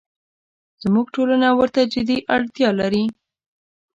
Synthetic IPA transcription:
z̥muɡʈolanawəɾt̪ad͡ʒɪd̪iʔaɽt̪jɑlaɾi

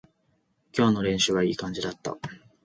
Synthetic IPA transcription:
kʲo̞ːno̞ɾẽ̞ɰ̃ɕɨβaiːkãɲ̟d͡ʑid̪at̪ːa̰

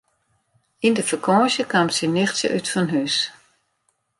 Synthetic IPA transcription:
indəfəkʰɔːʃjəkʰamtsinɪxtsjə̰ʔytfɔnɦys

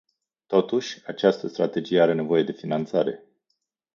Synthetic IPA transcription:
t̪o̞t̪uʃʲat͡ʃast̪əst̪ɾat̪e̞d͡ʒijeaɾe̞ne̞vo̞je̞d̪e̞finant̪saɾe̞̰

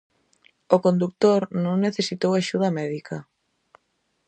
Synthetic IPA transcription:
okond̪uk̚t̪oɾnõŋneθesit̪owaʃuðɐmɛðikɐ

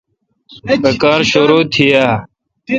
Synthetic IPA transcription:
beːkaːɾʃoɾoːt̪ʰijaː

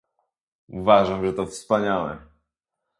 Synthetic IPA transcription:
uvaʐamʐɛt̪ɔfspaɲawɛ̰

